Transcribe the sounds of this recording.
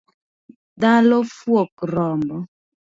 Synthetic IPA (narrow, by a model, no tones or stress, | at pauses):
dalɔfwɔkɾɔmbɔ